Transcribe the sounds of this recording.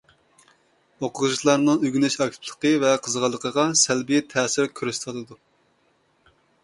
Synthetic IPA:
oqʰʊʁʒɨʃlˠɑɾnɨŋyɡʲynyʃɑk̚ʲt̪ʰpʰlˠə̥qəvɛqʰəzəʁɑlˠːəqʰəʁɑsælbijɛt̪ʰɛːsɪɾkʲʰyɾyst̪ʰɑlˠɨd̪u

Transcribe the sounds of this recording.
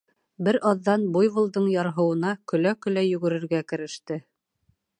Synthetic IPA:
bɘɾʔɑðːɑnbujβɤ̆lˠd̪ɤɴjɑɾɦɤ̆wɤ̆nɑkɵ̆lækɵ̆læjɵ̆ɡɵ̆ɾɘ̆ɾɡækɘ̆ɾɘ̆ʃt̪ɘ

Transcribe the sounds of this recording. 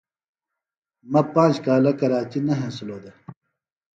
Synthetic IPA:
mɐpãːt͡ʃkaːlɐkɐɾaːt͡ɕinɐɦẽːsuloːd̪e

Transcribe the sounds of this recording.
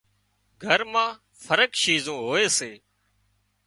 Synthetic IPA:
ɡʱəɾmãː | fʰəɾəkʃiːzõːɦoːeːseː

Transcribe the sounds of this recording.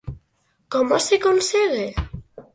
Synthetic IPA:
kɔmosekonseɣe

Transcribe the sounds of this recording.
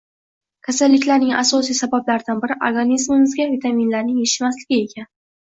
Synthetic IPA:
kʲʰasalːɪkʲlaɾnɪŋʔa̰sɒsijsabablaɾd̪anbɪɾɪʔoɾɡanizmɪmɪzɡʲavit̪ʰaminlaɾnɪŋjeʃɪmaslɪɡʲɪe̞kʲʰan

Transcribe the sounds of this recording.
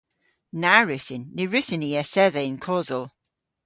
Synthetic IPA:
naɹʉsɪnːɪɹʉsɪniɛsɛðɛɪnkʰɔzəlˠ

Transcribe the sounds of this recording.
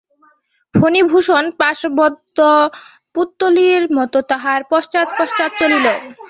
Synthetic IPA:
bʰʱonibʱuʃonpaʃbɔd̪o | put̪ːoliɾmɔt̪ot̪aɦaɾpɔʃt͡ɕat̪̚pɔʃt͡ɕat̪̚t͡ɕolilo

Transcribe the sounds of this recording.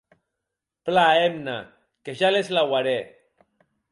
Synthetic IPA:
plaemna̰ | keʒalezlawaɾe

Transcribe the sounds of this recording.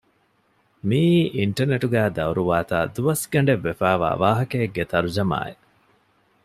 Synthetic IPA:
miːʔiɳʈɐɾneʈuɡæːd̪ɐuɾuʋaːt̪a̰ːd̪uʋɐsɡɐɳ̆ɖeʋːefæːʋa̰ːʋaːɦɐkeːɡet̪ɐɾud͡ʒɐma̰ːḛ

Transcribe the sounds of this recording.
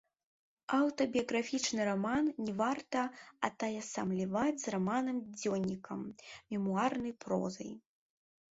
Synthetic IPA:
awt̪ɐbʲijɐɣɾafʲit͡ʂnɨɾamannʲɛvart̪ɐɐt̪ajɐsɐmlʲivad͡zʲzramanɨmd͡zʲɔnʲikɐ̰mmʲimuarnɐjpɾɔ̰zɐ̰j

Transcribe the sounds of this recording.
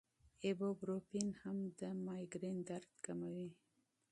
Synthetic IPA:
ebobɾopinhamd̪əmɑjɡɾend̪aɾt̪kamawi

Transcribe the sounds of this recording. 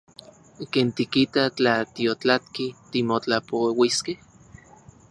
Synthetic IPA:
keːnt̪ikit̪at͡ɬat̪iot͡ɬat̪̚kit̪imot͡ɬapowiskeh

